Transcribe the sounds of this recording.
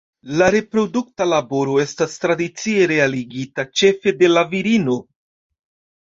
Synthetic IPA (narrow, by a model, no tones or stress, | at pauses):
laɾe̞pɾo̞duk̚talabo̞ɾo̞e̞stastɾadit͡sie̞ɾe̞aliɡitat͡ʃe̞fe̞de̞laviɾino̞